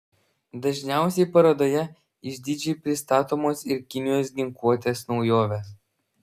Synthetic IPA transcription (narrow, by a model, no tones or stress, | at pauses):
d̪ɐʒʲnʲæˑʊsʲɛɪpɐɾɐd̪oːjɛ | ɪʒʲd̪ʲɪːd͡ʒʲipʲɾʲɪst̪ɑːt̪oːmoːsɪɾkʲɪnʲɪjoːs̬ɡʲɪŋkuɔt̪ʲeːsnɒʊjoːʋʲeːs